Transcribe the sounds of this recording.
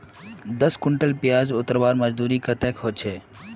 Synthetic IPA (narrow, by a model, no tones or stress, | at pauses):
d̪əskʊɳʈəlpijaːd͡ʒʊt̪əɾʋaːɾməd͡ʒd̪uːɾikət̪ekɦoːt͡ʃʰeː